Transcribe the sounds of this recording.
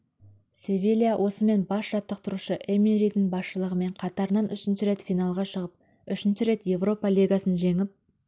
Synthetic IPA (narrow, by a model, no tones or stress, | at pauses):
sʲevʲilʲijawʔo̞səme̞nbɑsʒ̥ɑt̪ːəq̚t̪ʰʊɾuʃəʔemiɾid̪ɪŋbɑsʃəlˠəʁəme̞ɴqʰɑt̪ɑɾənɑnʔʏʃɪnʃɪɾe̞t̪fʲijnɑlˠʁɑʃəʁəp̚ | ʏʃɪnʃɪɾe̞t̪je̞vro̞pɑlʲiɡasənʒe̞ŋɪp̚